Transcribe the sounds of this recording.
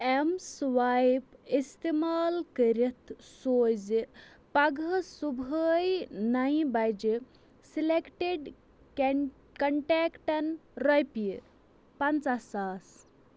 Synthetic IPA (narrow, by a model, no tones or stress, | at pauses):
emsʋajpist̪imaːlkəɾit̪soːjd͡zi | paɡʱəsubʱəjnaĩbajd͡ʒi | silekʈeɖ | kɐɳʈekʈɐnɾəjpi | pant͡sasaːs